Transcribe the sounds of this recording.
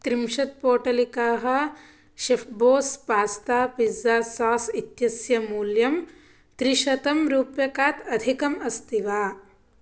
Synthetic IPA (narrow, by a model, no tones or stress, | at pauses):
t̪ɾimʃɐt̪̚poːʈɐlikaːɦɐ̆ | ʃefboːspaːst̪aːpizːaːsaːsit̪jɐsjɐmuːljɐm | t̪ɾiʃɐt̪ɐmɾuːpjɐkaːt̪ɐd̪ʱikɐmɐst̪iʋaː